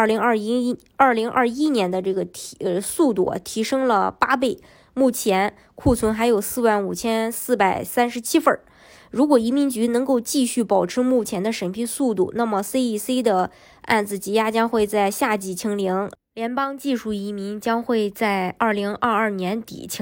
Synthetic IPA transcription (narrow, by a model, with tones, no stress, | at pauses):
ə˥˩li˧˥ŋɐ˞˥˩˥ | ɐ˞˥˩li˧˥ŋʔɐ̰˥˧i˥njɛ˧˥nd̪ə˧ʈ͡ʂɤ˥˩ɡə˩˥˧su˥˧t̪ṵ˥˩˨t̪ʰi˧˥ʂɤ˥ŋlə˨pa˥p̬e˥˩ɪ | mu˥˩t͡ɕʰjɛ˧˥n | kʰu˥˩t͡sʰwə˧˥nxa˧˥ɪjo˨˩ʊsɹ̩˥˧wa˥˩nu˨˩t͡ɕʰjɛ˥nsɹ̩˥˩pa˨˩ɪsa˥nʂɻ̩˧˥t͡ɕʰi˥fə˞˥˩ | ɻu˧˥kwɔ˨˩i˧˥mi˧˥nt͡ɕy˧˥nɤ˧˥ŋko˥˧ʊt͡ɕi˥˧ɕy˥˩pɑ˨˩ʊʈ͡ʂʰɻ̩˧˥mu˥˩t͡ɕʰjɛ˧˥nd̪ə˧ʂə˧˥npʰi˥su˥˧t̪ṵ˥˩na˥˩mə˩se˥ɪi˥˩se˥ɪd̪ə˧ | a̰˥˩nd͡zɹ̩˩t͡ɕi˧˥ja˥t͡ɕjɑ˥ŋxwe˥˧ɪt͡sa˥˧ɪɕja˥˩t͡ɕi˨˩t͡ɕʰi˧˥ŋli˧˥ŋ | ljɛ˧˥npɑ˥ŋt͡ɕi˥˧ʂu˥˩i˧˥mi˧˥ŋt͡ɕjɑ˥ŋxwe˥˧ɪt͡sa˥˧ɪɐ˥˩li˧˥ŋə˥˧ɐ˥˩njɛ˧˥nt̪ḭ˨˩t͡ɕʰi˧˥